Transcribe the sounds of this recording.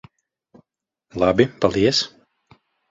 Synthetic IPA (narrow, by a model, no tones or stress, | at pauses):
lˠabipalˠiɛs